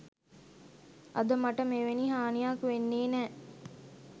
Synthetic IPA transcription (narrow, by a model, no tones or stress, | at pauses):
ʔɐd̪əmɐʈəmeʋeniɦaːnijaːkuʋenːeːnɛː